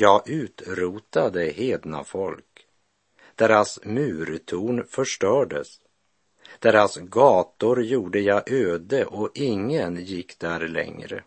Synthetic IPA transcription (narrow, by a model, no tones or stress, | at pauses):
jɑːɡʔʉ̟ːt̪ɾuːt̪ad̪əheːd̪na̰fɔlk | d̪̥ɛɾasmʉ̟ːɾt̪ʰuːnfœʂʈœːɖə̰s | d̪̥ɛɾasɡɑːt̪ʊɾjuːɖəjɑːʔøːd̪əʔɔʔɪŋːənjɪkːd̪̥æɾlɛ̰ŋɾə̰